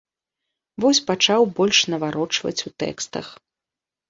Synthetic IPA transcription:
vɔsʲpat͡ʂawbɔlʲʂnɐvaɾɔt͡ʂvɐ̰t͡sʲut̪ɛ̰kst̪ɐ̰x

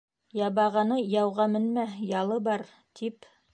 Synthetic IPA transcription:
jɑβɑʁɑnɤjɑwʁɑmɘ̆nmæjɑlˠɤbɑɾ | t̪ʰip

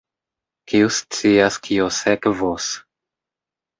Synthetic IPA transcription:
kiust͡siaskʰiosekvos

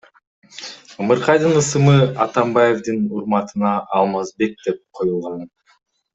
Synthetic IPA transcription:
ɯmɯɾqʰɑjd̪ɯnɯsɯmɯɑt̪ɑmbɑje̞vd̪ɯnuɾmɑt̪ɯnɑʔːlˠmɑzbe̞k̚d̪e̞p̚qʰo̞julˠʁɑn

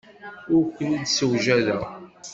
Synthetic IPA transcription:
ʊɾkʷːənid̪səwʒæðæ

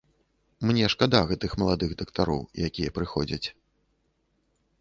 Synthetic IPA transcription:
mnʲɛʂkad̪aɣɛt̪ɨxmɐlˠad̪ɨɣd̪ɐkt̪aɾɔ̰wjakʲijɛpɾɨxɔd͡zʲɐt͡sʲ

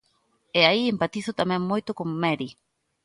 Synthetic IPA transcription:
eaiempat̪iθot̪amẽŋmojt̪okoŋmeɾi

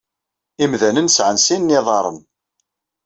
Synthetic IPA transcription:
imðænənsʕənsinːiðˤɑɾˤə̰n

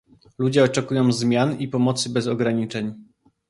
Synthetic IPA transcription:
lud͡ʑɛɔt͡ʂɛkujɔ̃w̃zmʲjanipɔmɔt̪sɘbɛzɔɡɾaɲit͡ʂɛɲ

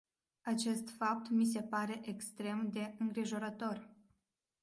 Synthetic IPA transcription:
at͡ʃe̞st̪fap̚t̪mis̬e̞paɾe̞ʔekst̪ɾe̞md̪e̞ɨŋɡɾiʒo̞ɾət̪o̞r

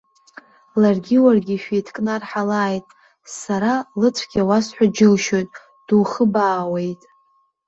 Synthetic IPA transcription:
larɡʲɪwarɡʲiʃᶣejtʰkʼnarħalaːjtʼ | saɾalɨt͡sʷʰɡʲawasħʷᶣad͡ʒɪlʃo̞jtʼ | d̥uːχəbaːwe̞jtʼ

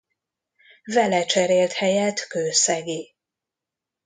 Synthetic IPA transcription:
vɛlɛt͡ʃɛɾeːlt̪hɛjɛt̪køːsɛɡeː

